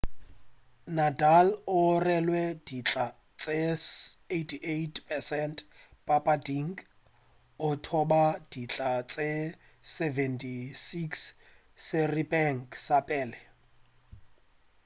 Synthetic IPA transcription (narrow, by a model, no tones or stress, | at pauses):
nadalʊrɛlwɛd̥it͡ɬʼa | t͡sʼe | etʰiʔetpʰʼɛsɛnt | pʼapʼadiŋk | ʊtʰɔbad̥it͡ɬʼat͡sʼe | sɛvɛntʰʼisiks | sɪribɛŋkʰʼsapʼɛːlɛ